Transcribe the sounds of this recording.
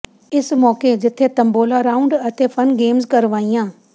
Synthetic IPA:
ɪsmɔːked͡ʒɪt̪ʰːeːt̪ə̃mboːlaːɾaːʊ̃ɳɖət̪ʰepʰənɡeːmzkəɾʋaːijãː

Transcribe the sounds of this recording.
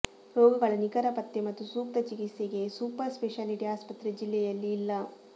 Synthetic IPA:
ɾɔːɡɐɡɐɭɐnikɐɾɐpɐt̪ːemɐt̪ːusuːp̚t̪ɐt͡ʃikit̪seɡe̞suːpɐɾspeʂaliʈiaːspɐt̪ɾed͡ʒilːɛjɐlːiːlːɐ

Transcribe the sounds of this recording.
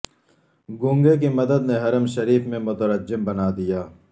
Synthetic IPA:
ɡʊ̃ːŋɡek̬imɐd̪əd̪neɦɐɾəmʃɐɾiːfmẽmʊt̪əɾəd͡ʒɪmbɐnaːd̪ijaː

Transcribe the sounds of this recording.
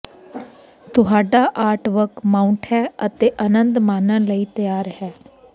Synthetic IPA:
t̪ʊɦaːɖaːʔaːɾʈʋəkmaːʊɳʈɦɛːət̪eːʔənənd̪maːnə̃ːləiːt̪əjaːɾhɛː

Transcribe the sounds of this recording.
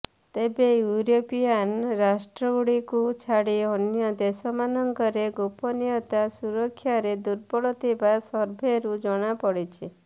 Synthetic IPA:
t̪ebejuɾopijanɾasʈɾɔɡuɽikut͡ʃʰaɽiɔnjɔd̪esɔmanɔŋkɔɾeɡupɔnijɔt̪asuɾɔkʰːjaɾed̪uɾpɔɽɔt̪ʰibasɔɾbʱeɾud͡ʒɔɽ̃apɔɽit͡ʃʰi

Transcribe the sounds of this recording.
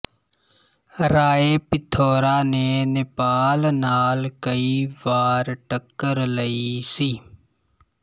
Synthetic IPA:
ɾaːeːpɪt̪ʰoːɾaːneːnɪpaːlnaːlkəiːʋaːɾʈəkːəɾləisiː

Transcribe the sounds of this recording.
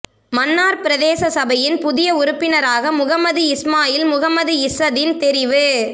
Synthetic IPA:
mɐnːaːɾpɪɾɐðeːsɐsɐbɐjɪnpʊðɪjɐʊɾʊpːɪnɐɾaːɣɐmʊɣɐmɐðɯɪsmaːjɪlmʊɣɐmɐðɯɪsɐðɪnt̪ɛɾɪʋɯ

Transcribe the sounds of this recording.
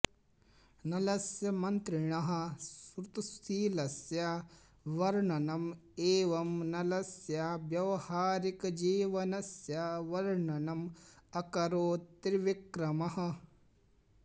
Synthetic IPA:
nɐlɐsjɐmɐnt̪ɾɪɳɐɦɐ̆sɾut̪usiːlɐsjɐ | ʋɐɾɳɐnɐmeːʋɐmnɐlɐsjaʋjɐʋɐhaːɾikɐd͡ʒiːʋɐnɐsjɐʋɐɾɳɐnɐmɐkɐɾoːt̪ɾʋikɾɐmɐhɐ̆

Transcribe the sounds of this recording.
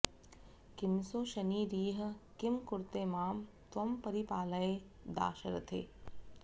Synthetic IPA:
kɪmsoːʃɐniːɾiːɦ̆kɪmkʊɾt̪eːmaːm | t̪ʋɐmpɐɾipaːlɐeː | d̪a̰ːʃɐɾɐ̰t̪ʰḛː

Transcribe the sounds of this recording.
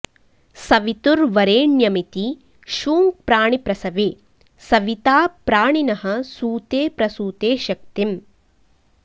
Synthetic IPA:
sɐʋit̪uɾʋɐɾeːɳjɐmit̪i | ʃuːŋpɾaːɳipɾɐsɐʋeː | sɐʋit̪aːpɾaːɳinɐɦɐ̆suːt̪eːpɾɐsuːt̪eːʃɐk̚t̪im

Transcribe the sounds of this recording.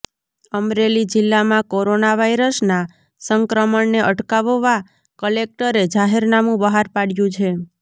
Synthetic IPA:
əmɾelid͡ʒɪlːamãkoɾonaʋajɾəsna | səŋkɾəməɳneʔəʈkaʋəʋa | kəlek̚ʈəɾed͡ʒaɦeɾnamũbəɦaɾpaɽjũt͡ʃʰe

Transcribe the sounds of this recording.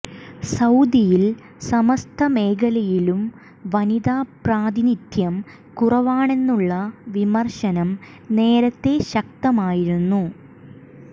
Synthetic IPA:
sɐwd̪ijil | sɐmɐst̪ʰɐme̞ːkɐlɐjilum | ʋɐniðaːpraːd̪init̪ʰjɐm | kurɐʋaːɳe̞nːuɭːɐʋimɐrɕɐnɐm | ne̞ːɾɐt̪ːe̞ɕɐk̚t̪ɐmaːjiɾunːu

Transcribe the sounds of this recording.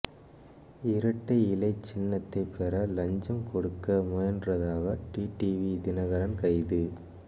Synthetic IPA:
ɪɾɐʈːɐɪlɐɪt͡ʃːɪnːɐt̪ːɐɪpɛɾɐlɐɲd͡ʒɐmkɔɽɯkːɐmʊjɐndrɐðaːɣɐʈiːʈiʋid̪ɪnɐɣɐɾɐnkɐɪðɯ

